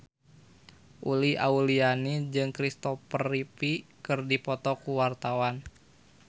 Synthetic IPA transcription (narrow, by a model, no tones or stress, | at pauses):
ʔuliaulianid͡ʒɨŋkɾist̪ɔpəripikɨrdipɔt̪ɔkuwart̪awan